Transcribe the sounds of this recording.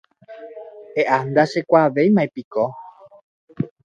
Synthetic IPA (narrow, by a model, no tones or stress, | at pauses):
eʔand̪aʃekʷaʋejmãepiko